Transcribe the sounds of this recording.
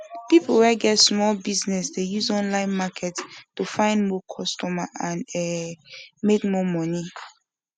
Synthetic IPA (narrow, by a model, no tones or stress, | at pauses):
pipolwɛɡɛtsmɔlbiznɛsdejuzɔ̃nlãɪ̃nmakʰɛttufãɪ̃ndmɔkʰɔstɔmaʔãnɛ | mekmɔmɔni